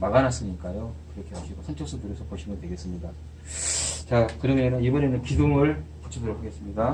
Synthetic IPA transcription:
maɡanas͈ɯɲik͈ajokɯɾʌkʰe̞ɦaɕʰiɡosʰʌnt͡ɕʰʌs͈ʌtuɾjʌsʰʌpoɕʰimɯntwe̞ɡe̞s͈ɯmɲida | t͡ɕakɯɾʌmenɯnibʌne̞nɯnkidoŋɯɭpu̥t͡ɕʰʌdɯɾokʰaɡe̞s͈ɯmɲida

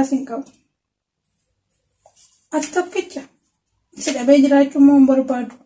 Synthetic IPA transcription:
sɪŋkʼɐbɐ | ʔɐtt̪ːɐpːɪt͡ʃːɐ | ɪsɪɗɐbɛjd͡ʒɪɾaːt͡ʃːʊmːoːmbɐɾbaːd̪ʊ̥

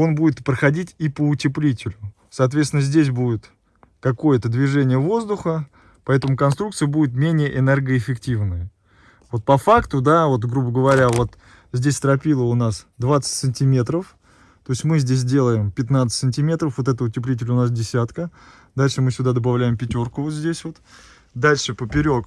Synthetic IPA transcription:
o̞nbudʲɪt̪pɾəxɐdʲitʲipəʊtʲɪplʲitʲɪlʲʊ | sɐːt̪vʲet̪sʲɪnəzʲdʲes̬ʲbudʲɪt̪ | kɐko̞jət̪əd̪vʲɪʐɛnʲɪjəvo̞zd̪ʊxə | pɐɛt̪əmʊkɐnst̪ɾukt̪sɨjəbudʲɪt̪mʲenʲɪjəʔɪnɛrɡəɪfʲɪktʲivnəjə | vo̞t̪̚pɐfakt̪ʊd̪avo̞t̪ɡɾubəɡəvɐɾʲavo̞t̪ | zʲdʲesʲt̪ɾɐpʲilˠəʊnasd̪vat̪sə̥tʲsɨnʲtʲɪmʲe̞t̪ɾəf | t̪o̞ɪsʲmɨzʲdʲes̬ʲdʲe̞lˠəjɪmpʲɪt̪nat̪sɨ̥tʲsɨnʲtʲɪmʲe̞t̪ɾəfvo̞t̪ɛt̪əʊtʲɪplʲit̬ʲɪlʲʊnas̬dʲɪsʲat̪kə | d̪alʲʂɨmɨsʲʊd̪ad̪əbavlʲæjɪmpʲɪtʲo̞rkʊvo̞t̪zʲdʲesʲvo̞t̪ | d̪alʲʂɨpəpʲɪɾʲo̞k

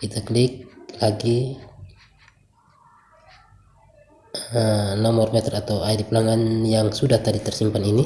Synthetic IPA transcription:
it̪aklik̚laɡi | ənɔmɔrpɛt̪ɛrat̪awajdiplaŋanjaŋsudaht̪adit̪ɛrsimpanini

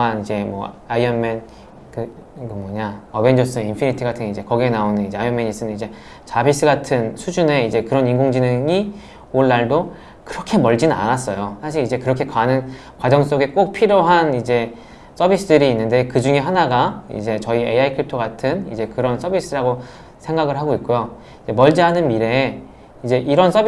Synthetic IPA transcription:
anid͡ʑe̞mwʌ̰ | aiʌnmen | kɯ | kɯmʌɲaʌbe̞nd͡ʑʌs͈ɯinpʰinitʰiɡatʰɯŋid͡ʑe̞kʌɡienaonɯnid͡ʑeajʌmeɲis͈ɯnɯnid͡ʑe̞ | t͡ɕabis͈ɯɡatʰɯnsʰud͡ʑune̞id͡ʑe̞kɯɾʌninŋɡoŋd͡ʑinɯŋi | oɭːaɭdo | kɯɾʌkʰe̞mʌɭd͡ʑinna̰nas͈ʌjosʰaɕ̬ʰiɾid͡ʑe̞kɯɾʌkʰe̞kwanɯn | kwad͡ʑʌŋs͈oɡe̞k͈ok̚pʰiɾjoɦanid͡ʑe̞ | s͈ʰʌbis͈ɯdɯɾiːnːɯnde̞kɯd͡ʑuŋe̞ɦanaɡaḭd͡ʑe̞t͡ɕʌieaikʰiɭp̚tʰoɡatʰɯnḭd͡ʑe̞kɯɾʌns͈ʰʌbis͈ɯɾaɡo | sʰe̞ŋɡaɡɯɭɦaɡoit̚k͈ojo | id͡ʑe̞mʌɭd͡ʑiɦanɯnmiɾe̞ | id͡ʑe̞ʔiɾʌns͈ʰʌb

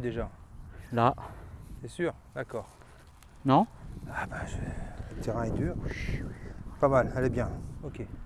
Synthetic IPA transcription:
d̪eʒalasɛsyːʁ | d̪akɔːʁ | nɔ̃abaʒələt̪eʁɛ̃ɛd̪yːʁ | pamalɛlɛbjɛ̃okʲe

